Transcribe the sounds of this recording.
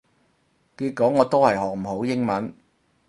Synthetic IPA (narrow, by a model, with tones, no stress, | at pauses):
kiː˧t̚kɔː˨˥ŋɔː˨˧t̪o˥whɐ˨jɦɔː˨k̚m̩˨˩ho˨˥wjɪ˥ŋmɐ˨˥n